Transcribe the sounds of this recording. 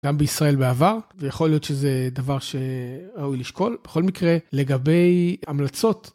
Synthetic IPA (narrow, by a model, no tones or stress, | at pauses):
ɡ̥ambeisʁae̞lbeavaʁvejaχo̞ljo̞t̪ʃezed̪avaʁʃe̞ʁaujliʃko̞lb̥eχo̞lmikʁele̞ɡabe̞jamlat͡so̞t